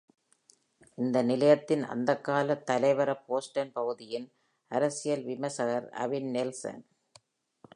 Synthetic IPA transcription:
ɪnd̪ɐnɪlɐjɐt̪ːɪnɐ̰nd̪ɐkːaːlɐt̪ːɐlɐɪʋɐɾɐpoːsʈɐnpɐɣɯðɪjɪn | ɐɾɐsɪjɐlʋɪmɐsɐɣɐɾɐ̰ʋɪnnɪlsɐ̰n

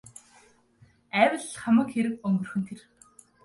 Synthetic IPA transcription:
æːwʲɘ̆ɮχamə̆kxeɾɘ̆kɵŋɡɵ̆rxɵ̆n̥t̪ʰer

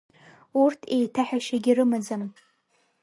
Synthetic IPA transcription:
urtʰe̞jtʰaħᶣaʃaɡʲirɨmad͡zan

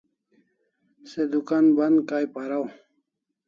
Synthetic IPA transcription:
sed̪ukanband̪kajpaɾaw

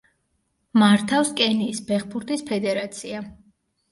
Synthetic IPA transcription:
maɾt̪ʰafskʼɛniːsbɛχbuɾt̪ʼispʰɛd̪ɛɾat̪sʰia

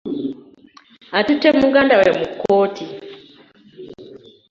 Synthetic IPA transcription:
atutɛmuɡandawɛmukɔti

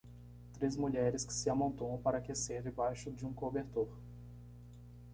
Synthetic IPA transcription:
t̪ɾezmuʎɛɾɪskɪ̥sɪamõnt̪õw̃paɾɐakeseɾd͡ʒɪbajʃʊd͡ʒɪũkobeɾt̪oɾ

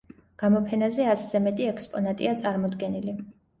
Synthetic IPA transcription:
ɡ̥amɔpʰɛnazɛaszɛmɛt̪ʼiɛkspʼɔnat̪ʼḭat̪sʼaɾmɔd̪ɡɛnili

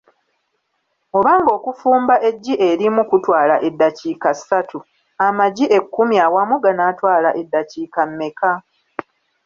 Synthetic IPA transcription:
o̞βaːŋɡo̞ːkufuːmbaʔe̞ɟːiʔe̞ɾimukutwaːlaʔe̞dːaciːkasatʰu | amaɟiʔe̞kːumjaːwamuɡanatwaːlaʔe̞dːaciːkamːe̞ka

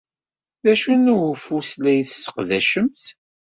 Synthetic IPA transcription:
ðæʃunuwfuslæjθsə̥qðæʃəmθ

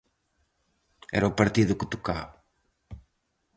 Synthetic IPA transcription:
ɛ̰ɾɐupɐɾt̪iðʊkɪt̪ukaβ

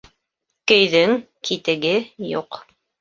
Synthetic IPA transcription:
kɵ̆jðɵŋ | kʰit̪ɘ̆ɡɘjṵq

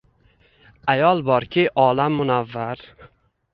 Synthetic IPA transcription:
ajɒlˠbɒɾkʲʰɪʔɒlamːʊnavːaɾ

